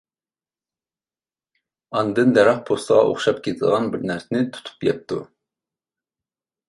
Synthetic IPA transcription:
ɑnd̪ɨnd̪ɛɾɑχpʰost̪əʁɑ̰ʔo̰χʃɑpkʲʰet̪ʰɪd̪ʁɑnbɪɾnæɾsɪnɪt̪ʰu̥t̪ʰu̥pjɛp̚t̪ʰu

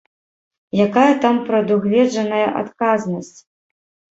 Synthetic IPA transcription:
jakajɐt̪ampɾɐd̪uɣvʲɛd͡ʐɐnɐjɐʔa̰t̪kaznɐsʲt͡sʲ

